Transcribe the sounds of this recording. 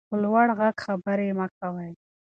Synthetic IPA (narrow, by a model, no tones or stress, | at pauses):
əlwaɽɣaɡxabəɾemakawaj